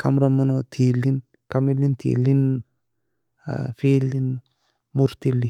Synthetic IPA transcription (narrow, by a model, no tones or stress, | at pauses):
kʰamɾamunot̪ʰilin | kamilint̪ʰḭlin | filin | muɾt̪ilːi